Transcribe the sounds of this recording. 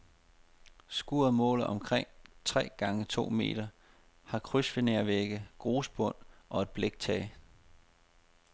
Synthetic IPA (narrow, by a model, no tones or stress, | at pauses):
sɡ̥uːɐðˠmɔ̰̽ːlˠɒ̽mkʰʁeŋ̰t͡sʰʁɛ̰ːɡ̥ɑ̈ŋət͡sʰo̝̰ːme̝̰ːd̥ɐ | hɑ̈kʰʁysfeneɐʋeɡ̥əɡ̥ʁoːsb̥ɔ̽n̰ʔɒ̽e̝d̥̚b̥leɡ̥̚t͡sʰɛː